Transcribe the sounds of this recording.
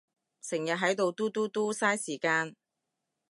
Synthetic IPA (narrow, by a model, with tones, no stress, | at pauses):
sɪ˨˩ŋjɐ˨t̚ɦɐ˨˥jt̪o˨wt̪uː˥t̪uː˥t̪uː˥saː˥jsiː˨˩kaː˧n